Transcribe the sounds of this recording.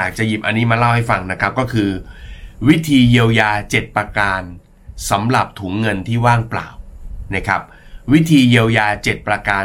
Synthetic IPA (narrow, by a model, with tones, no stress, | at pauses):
aː˨˩k̚t͡ɕa˨˩ji˨˩p̚ʔa˧nːiː˦˥maː˧la˥˩wha˥˩jfa˧ŋna˦˥kʰɾa˦˥p̚kɔː˥˩kʰɯː˧wi˦˥t̪ʰiː˧je˧wjaː˧t͡ɕe˨˩t̪̚pɾa˧kaː˧n | sa˩˦mɾa˨˩p̚t̪ʰuː˩˦ŋːɤ˧nt̪ʰiː˥˩waː˥˩ŋpla̰ː˨˩wna˦˥kʰɾa˦˥p̚wi˦˥t̪ʰiː˧jiː˧wjaː˧t͡ɕe˨˩t̪̚pɾa˧kaː˧